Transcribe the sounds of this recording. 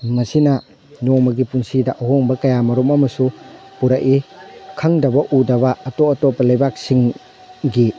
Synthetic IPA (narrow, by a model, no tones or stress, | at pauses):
mɐsinɐ | nomɐɡipunsidɐʔɐɦoŋbɐkɐjamɐɾumɐmɐsu | puɾaʔikʰɐŋdɐbɐʔudɐβɐːtoɐtopɐlɐjbak̚siŋ | ɡi